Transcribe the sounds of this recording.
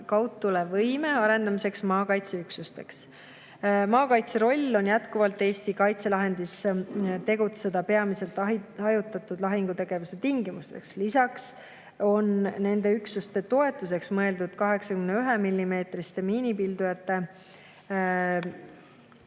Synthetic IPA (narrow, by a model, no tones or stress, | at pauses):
kɑwt̪ːulevɤjme̞ɑɾe̞nd̪ɑmise̞ksmɑːkɑjt̪seyksust̪e̞ks | mɑːkɑjt̪se̞ɾo̞lʲːo̞njæt̪kuvɑlt̪ːˑe̞ːst̪ikɑjt̪se̞lɑɦe̞nd̪̥ist̪e̞ɡut̪se̞d̪̥ɑpe̞ɑmise̞lt̪ɑɦɑjut̪ːˑɑt̪ːˑud̪lɑɦiŋɡ̥ut̪e̞ɡ̥e̞vuse̞t̪iŋɡimust̪e̞kslisɑks | o̞nne̞nd̪e̞yksust̪e̞t̪o̞e̞t̪ːˑus̬e̞ksmɤe̞ld̪ud̪̥kɑɦe̞ksɑkymneyɦe̞milʲːime̞ːt̪rist̪e̞miːnipild̪ujɑt̪ːe̞